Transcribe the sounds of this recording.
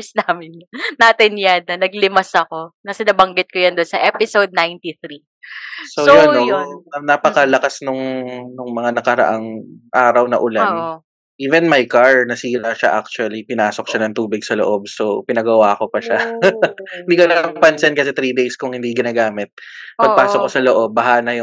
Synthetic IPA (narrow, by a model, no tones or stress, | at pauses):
ʊsnaːmɪnnaːt̪ɪnjanːɐnɐɡlɪmɐsɐko̞nɐsɪnɐbɐŋɡɪt̪̚kojɐnd̪onsɐʔɛpɪsowd̪̚najnt̪iθɾi | sojonoɐnapɐkɐlɐkasnʊŋnʊŋmɐŋanɐkɐɾɐ̰ʔaŋʔaːɾɐwnɐʔʊlanʔo | ʔiːvɛnmɐjkaɹnɐsiːɾɐʃa̰ʔak̚t͡ʃuɐlipɪnaːsok̚ʃanɐŋt̪uːbɪɡ̚sɐlo̰ʔob̚so̞pɪnɐɡɐwaːko̞pɐʃa | hɪnd̪iːkonɐlmpɐnsɛnkɐsɛt̪ɾiːd̪ejskʊŋhɪnd̪iɡɪnaːɡaːmɪt̪̚ːpɐpaːsokːosɐloʔo̞b̚ːɐɦaːnɐjʊ